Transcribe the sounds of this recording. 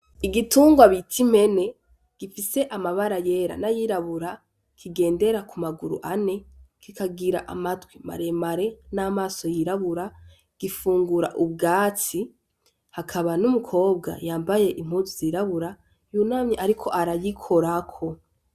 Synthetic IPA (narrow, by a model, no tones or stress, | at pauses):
iɡituːŋɡwaβitʰim̥e̞ne̞ | ɡ̥ifise̞ʔamaβaɾaje̞ːɾa̰najiɾaβuɾa | kʰiɡe̞ːnde̞ɾakumaɡuɾṵʔane̞kikaɡiɾa̰ʔamatwima̰ɾe̞maɾe̞naːmaːso̞jiɾaβuɾa | ɡ̥ifuːŋɡuɾa̰ʔub̚ɡaːt͡si | hakʰaβanumukʰo̞ːb̚ɡa̰jaːmbaje̞ʔim̥huzuziːɾaβuɾa | juːnamɲeʔaɾikʰo̞ʔaɾajikʰo̞ɾakʰo̞